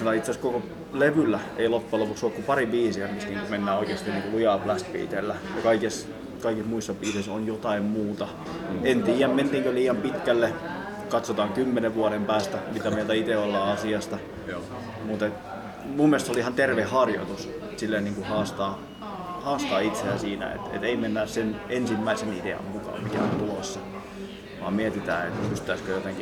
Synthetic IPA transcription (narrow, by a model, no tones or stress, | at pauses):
milɑit̪seskoko | leʋylːæḛilopːuelopuksoːkkupɑriʋiːsiæmist̪niːŋkumenːæːoikeːst̪iniŋkulujɑplæst̪pḭːt̪elːæjɑkɑikis | kɑikismuisːɑpʋiːseisonjot̪ɑimmuːt̪ɑ | ent̪iːjæmment̪iːŋkøliːjɑmpit̪kælːe | kɑt̪sot̪ɑːŋkymːeneʋʋuɑɾempæːst̪æmit̪æmielt̪æit̪eolːɑːɑsiɑst̪ɑ | mut̪et̪ | mumːielest̪solihɑnt̪erʋehhɑrjo̰t̪us | t̪silːeniːŋkuhɑːst̪ɑː | hɑːst̪ɑːit̪seæsiːnæ̰ḛt̪ḛt̪eimenːæːssenensimːæisenidḛɑ̰ŋkukɑ̰mikæ̰o̰nt̪ulosːɑ | ʋɑ̰ːmmiet̪it̪æ̰ːḛt̪pyst̪æiskøjot̪eŋki